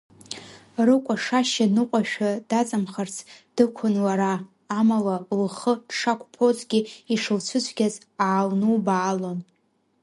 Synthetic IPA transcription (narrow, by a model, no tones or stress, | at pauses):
rɨkʷʼaʂaʃanɨqʷʼaʃᶣadat͡sʼɨmχart͡sʰd̥ɨkʷʰʊnlaɾaː | malalχədʂakʷʰʼpʰo̞zɡʲiiʂɨlt͡ɕʷʰʊt͡ɕʷʰɡʲaz | aːlnubaːlo̞n